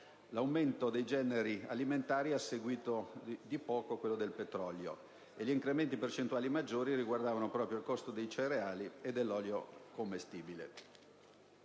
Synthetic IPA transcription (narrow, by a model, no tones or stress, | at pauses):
lawment̪od̪ejd͡ʒɛːneɾia̰liment̪aːɾiasːeɡwiːt̪od̪ipɔːkokwelːod̪elpet̪ɾɔljo̰ | eʎiːŋkɾement̪ipert͡ʃent̪uaːlimad͡ʒːoːɾiɾiɡward̪aːvanopɾɔːpɾjoilkost̪od̪ejt͡ʃeɾeaːlied̪ːelːɔːljokomːest̪iːbilḛ